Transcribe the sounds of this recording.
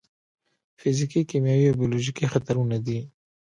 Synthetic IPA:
fɪzikikimjawiobijoloʒikixat̪aɾunad̪i

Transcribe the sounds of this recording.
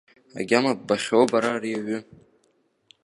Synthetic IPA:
a̰ɡʲamab̚baχʲowbaɾariaɥʏ

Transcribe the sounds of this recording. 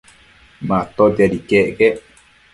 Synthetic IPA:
mãt̪od͡ʒaɾikeʔke

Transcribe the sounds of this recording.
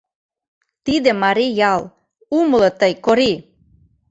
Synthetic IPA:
t̪id̪ĕmɑɾijɑl | uməlɤ̆t̪əjkoɾi

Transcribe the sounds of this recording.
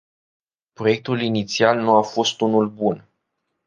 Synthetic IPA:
pɾo̞je̞k̚t̪ulinit̪sialnuafo̞st̪unulbun

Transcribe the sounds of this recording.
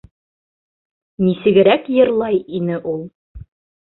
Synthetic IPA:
nisɘ̆ɡɘ̆ɾækjɤ̆ɾlˠɑjinɘʔulˠ

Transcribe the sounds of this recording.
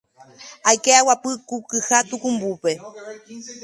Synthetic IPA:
ajkeawapɨkukɨhat̪ukumbupe̞

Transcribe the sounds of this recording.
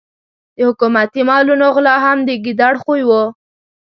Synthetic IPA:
d̪əhʊkumat̪imɑlunoɣlɑɦamd̪əɡid̪aɽxojwo

